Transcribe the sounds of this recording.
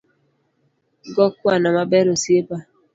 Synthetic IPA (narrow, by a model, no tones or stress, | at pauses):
ɡɔkanamabɛɾosiepa